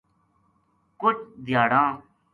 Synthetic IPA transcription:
kʊt͡ʃd̪ʱjaːɽãː

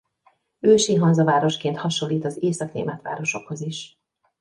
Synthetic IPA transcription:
øːʃiɦɒnzɒvaːɾo̞ʃkeːnt̪hɒʃo̞lːiːt̪ɒzeːsɒknḛːmɛt̪ʋa̰ːɾo̞ʃo̞kho̞ziʃ

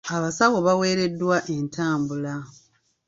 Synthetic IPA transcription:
aβasaɣo̞βawe̞ːɾe̞dːwaʔe̞ntʰaːmbula

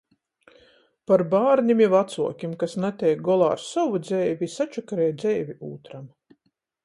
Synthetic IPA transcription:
paɾbaːɾnʲimivat̪suɔkʲimkasnat̪ʲɛjk̚ɡɔlˠa̰ːɾsawud̪zɛjvʲisat͡ʃɔkɾɛːjd̪zɛjvʲiuːt̪ɾam

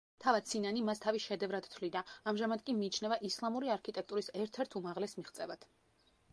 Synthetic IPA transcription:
t̪ʰavad̪̥̚sʰinanimast̪ʰaviʃɛd̪ɛvɾad̪̥t̪ʰlid̪aːmʒamad̪kʼimiːt͡ʃʰnɛvaʔislˠamuɾiaɾkʰit̪ʼɛk̚t̪ʼuɾisɛɾt̪ʰɛɾt̪ʰumaʁlɛsmiʁt̪sʼɛvad̪̥

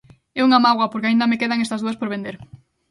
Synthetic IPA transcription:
euŋamaɣwɐpoɾkeaind̪ɐmekeðaŋest̪ɐzðuɐspoɾβẽnd̪eɾ

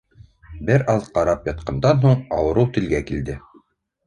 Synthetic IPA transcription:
bɘɾʔɑðqɑɾɑpjɑt̪̚qɑnd̪ɑnɦuɴɑwɤ̆ɾɤwt̪ɘ̆lɡækild̪ɘ

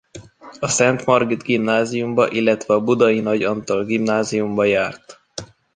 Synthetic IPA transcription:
ɒsɛnt̪mɒrɡid̪ɡimnaːzijumbɒʔilːɛt̪ʋɛɒbud̪ɒjinɒɟɒnt̪olɡimnaːzijumbɒjaːrt̪

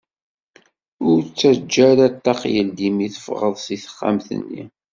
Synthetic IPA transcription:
ʊɾt͡sːæd͡ʒːæɾæt̪ːɑqjəld̪imiθəfʁəðˤsiθə̥χːæ̰mθə̰nːḭ

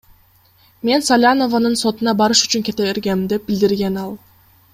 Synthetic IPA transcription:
me̞nsalʲano̞vanɯnso̞t̪unɑbɑɾɯʃy̥t͡ʃyŋkʲe̞t̪eβe̞ɾɡe̞md̪e̞p̚bɪld̪iɾɡe̞nɑlˠ

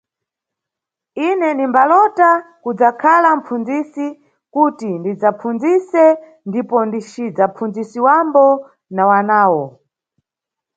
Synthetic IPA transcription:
inɛnimbalɔtakud͡zakʰalam̩pʰund͡zisi | kutindid͡zapʰund͡zisɛ | ndipɔndit͡ʃid͡zapʰund͡zisiwambɔ | nawanaːwɔ

